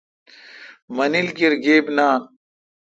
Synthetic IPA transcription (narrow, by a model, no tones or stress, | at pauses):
mɐnilkiɾɡeːbnaː